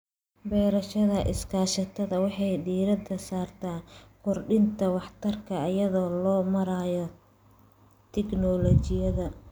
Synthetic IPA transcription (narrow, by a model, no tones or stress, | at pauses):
bɛːɾɐʃɐðɐʔɪ̰skʰaːʃɐt̪ʰɐðɐwɑħɑjɖiːɾɐd̪ɐsaːrt̪ʰaːkʰɔrɖɪnt̪ʰɐwɑħt̪ʰɐrkʰɐːjɐðɔːlɔːmɐɾaːjɔ | t̪ʰɛɡnɔlɔt͡ʃɪjɐðɐ